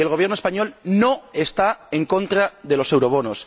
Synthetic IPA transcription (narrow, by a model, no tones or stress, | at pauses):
elɣ̞o̞βjeɾnoespaɲo̞lnoe̞st̪aeŋko̞nt̪ɾaðe̞lo̞se̞wɾo̞βo̞nos